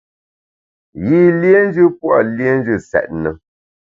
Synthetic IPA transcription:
ɣi˦˨lje˦n˦d͡ʒɨ˦pwɔ̰˨lje˦n̩˦d͡ʒɨ˦˨sɛ̰˨t̚nə˨

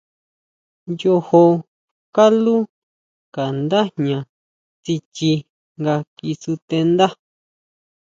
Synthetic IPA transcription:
jo˧ho˧ | ka˦lu˦ | ka˨nd̪a˦nɲã˨ | t͡si˧t͡ʃi˧ | ŋɡa˧ki˧su˧t̪e˧nd̪a˦

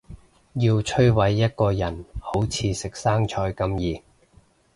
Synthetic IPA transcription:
jiː˧wt͡ʃʰɵ˥ɥwɐ˨˥jːɐ˥t̚kɔː˧jɐ˨˩nho˨˥wt͡sʰiː˨˧sɪ˨k̚saː˥ŋt͡ʃʰɔː˧jkɐ˧mjiː˨

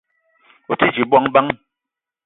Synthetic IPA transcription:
o˨ti˦d͡ʒi˨bwɔ˦ŋba˦ŋ

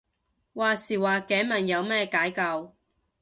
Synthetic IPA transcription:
waː˨siː˨˩waː˨kɛː˨˥mɐ˨˩njɐ˨˧wmɛː˥kaː˨˥jkɐ˧w

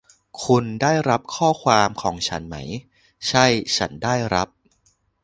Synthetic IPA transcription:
kʰu˧ndaː˥˩jɾa˦˥p̚kʰɔː˥˩kʰwaː˧mkʰɔː˩˦ŋt͡ɕʰa̰˦˥nma˦˥j | t͡ɕʰa˥˩jt͡ɕʰa˦˥ndaː˥˩jɾa˦˥p̚

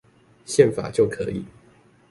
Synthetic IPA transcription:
ɕjɛ˥˨nfa̰˨˩t͡ɕjo˥˨ʊkʰɤ˧˦i˨˩

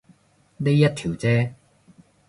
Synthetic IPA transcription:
ne˥jɐ˥t̚t̪ʰiː˨˩wt͡sɛː˥

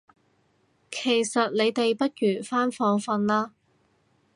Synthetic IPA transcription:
kʰe˨˩jsɐ˨t̚le˨˧jt̪e˨jpɐ˥t̚jyː˨˩nfaː˥nfɔː˧ŋfɐ˧nlaː˥

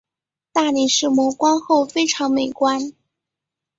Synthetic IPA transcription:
t̪a˥˩li˨˩ʂɻ̩˥˩mwɔ˧˥kwɑ˥ŋxo˥˩ʊfe˥ɪʈ͡ʂʰɑ˧˥ŋme˨˩ɪkwa˥n

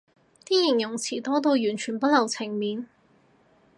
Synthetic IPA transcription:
t̪iː˥jɪ˨˩ŋjʊ˨˩ŋt͡sʰiː˨˩t̪ɔː˥t̪o˧wjyː˨˩nt͡ʃʰyː˨˩npɐ˥t̚lɐ˨˩wt͡sʰɪ˨˩ŋmiː˨n

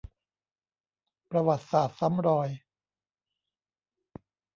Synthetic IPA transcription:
pɾa˧wa˨˩t̪̚saː˨˩t̪̚sa˦˥mɾɔː˧j

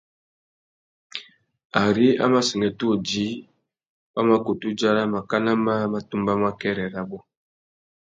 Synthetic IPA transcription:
a˨ɾi˦a̰˦ma˦si˨ŋɛ˨tu˦o˨d͡ʒi˨˦ | ba˦ma˦ko˨tu˦d͡ʒa˦ɾa˦ma˨ka˦na˦ma˦ma˨tu˦mba˦ma˦kɛ˦ɾɛ˨ɾa˦bɔ˦

